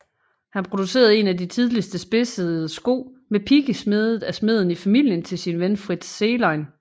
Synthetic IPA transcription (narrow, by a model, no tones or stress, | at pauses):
hænpʰʁo̝d̥use̝̰ːɐðˠe̝nædit͡sʰið̞ˠlisd̥əsb̥e̝səðˠsɡ̥o̝̰ːmepʰiɡ̥əsme̝ðˠð̩ˠæsme̝ð̞̰ˠn̩ifæmil̰jənt͡sʰe̝lsinʋenfʁid̥sːelɑ̈ɪn